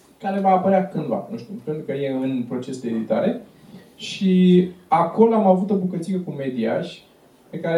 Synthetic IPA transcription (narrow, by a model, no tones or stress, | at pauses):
kaɾe̞vaːpəɾeakɨnd̪va̰nũʃt̪upe̞nt̪ɾukəje̞ɨnpɾo̞t͡ʃe̞sd̪eed̪it̪aɾe | ʃiako̞loamavut̪o̞bukət̪sikəkume̞d̪iaʃʲ | pe̞kaɾe